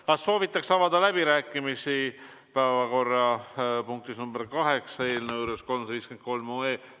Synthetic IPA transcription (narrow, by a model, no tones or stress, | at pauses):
kɑsːo̞ːvit̪ːˑɑksɑvɑd̪ɑlæb̥iɾæːkːˑimisi | pæːvɑko̞rːɑpuŋk̚t̪isnumbeɾkɑɦeksɑe̞ːlnɤwɾusko̞lmsviːskend̪̥̚ko̞lmoːeː